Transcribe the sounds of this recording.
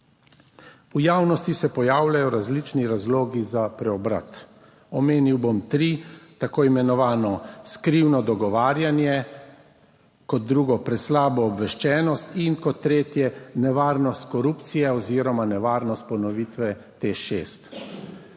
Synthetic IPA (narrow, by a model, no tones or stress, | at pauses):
ujaːwnɔst̪isɛpɔjaːwlajɔɾazlit͡ʃniɾazloːɡizapɾɛɔbɾa̰t̪ | ɔmeːniwbomt̪ɾit̪akoːimɛnɔʋaːnɔskɾiwnɔd̪ɔɡɔʋaːɾjanjɛ | kɔt̪̚d̪ɾuːɡɔpɾɛt̪slaːbɔːbʋɛʃt͡ʃɛːnɔst̪inkɔt̪ːɾeːt̪jɛnɛʋaːɾnɔst̪kɔɾuːpt̪sijɛɔziːɾɔmanɛʋaːɾnɔst̪̚pɔnɔʋiːt̪ʋɛ | t̪eːʃeːst̪